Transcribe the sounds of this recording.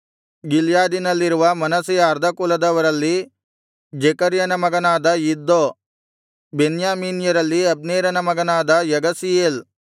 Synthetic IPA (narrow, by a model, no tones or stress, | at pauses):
ɡiljaːd̪inɐlːiɾuʋɐmɐnɐsijɐːɾd̪ʱɐkulɐd̪ɐʋɐɾɐlːi | d͡ʒekɐɾjɐnɐmɐɡɐnaːd̪ɐjid̪ːo | benjaːmiːnjɐɾɐlːiɐbneːɾɐnɐmɐɡɐnaːd̪ɐjɐɡɐsijeːl